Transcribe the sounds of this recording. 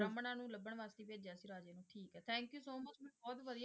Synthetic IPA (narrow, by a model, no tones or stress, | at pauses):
ɾəmənãːnũːləbːəɳʋaːst̪iːʋeːd͡ʒaːsiːɾaːd͡ʒeːnũːʈʰiːkɦɛːt̪ʰɛ̃ːŋkjuːsoːmət͡ʃmɛːbɔːt̪ʋəd̪ijaː